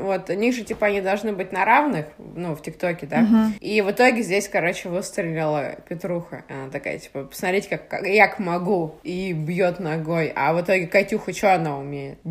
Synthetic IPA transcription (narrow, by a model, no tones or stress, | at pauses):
vo̞t̪ʊnʲiɣʐɨtʲipəɐnʲid̪ɐlˠʐnɨbɨt̚ʲnɐɾavnɨxnuftʲɪkt̪o̞kʲɪd̪aivɨt̪o̞ɡʲɪzʲdʲesʲkɐɾo̞t͡ɕɪvɨst̪ɾʲɪlʲɪlˠəpʲɪt̪ɾuxə̰ɐnat̪ɐka̰jə̰tʲi̥pəpə̥smɐt̪ʲɾʲitʲɪ̥kakːajakmɐɡuibjot̪nɐɡojɐ̰vɨt̪o̞ɡʲɪkɐtʲuxət͡ɕoɐnaʊmʲejɪt̪